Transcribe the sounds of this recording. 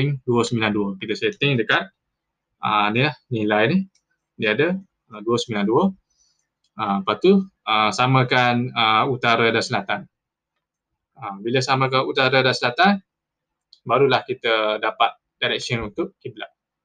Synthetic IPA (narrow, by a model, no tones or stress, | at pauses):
ɪŋduəsəmbilanduəkit̪əsaeət̪ɪŋdəkat̪̚ | ə̰nilahnilajni | diadə | əduəsəmbilanduə | əmpat̪uəsamə̃kanəut̪aɾadansəlat̪an | əmbiləsamə̃k̬anut̪aɾadansəlat̪an | baɾulahkit̪ədapat̪̚ | d̥aɾɛk̚sənunt̪ʊʔkiblaʔ̚